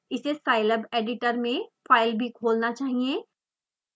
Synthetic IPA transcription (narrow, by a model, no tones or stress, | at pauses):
ɪsesaːɪləbeːɖɪʈəɾmẽfaːɪlbʱikʰoːlnat͡ʃaːɦiẽ